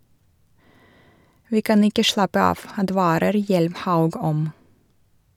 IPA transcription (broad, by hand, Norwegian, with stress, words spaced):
ˈʋiː ˈkɑn ˈɪkə ˈʃɭɑpə ˈɑːʋ ɑˈdʋɑːɾəɾ ˈjɛlmˌhɑʉɡ ˈɔm